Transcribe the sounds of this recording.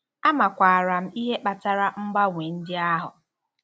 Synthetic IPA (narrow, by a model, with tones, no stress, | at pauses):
a˦ma˨kʷa˨a˨ɾa˨m̩˦i˦ɦe˦k͡pa˨ta˨ɾa˦m̩˦ba˦ŋʷe˨n̩˦dɪ˦a˦ɦʊ˨